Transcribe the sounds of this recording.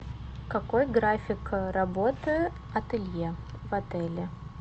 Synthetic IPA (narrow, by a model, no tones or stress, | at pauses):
kɐkojɡɾafʲɪkəɾɐbo̞t̪ɨ | ɐt̪ɨlʲje | vɐt̪ɛlʲɪ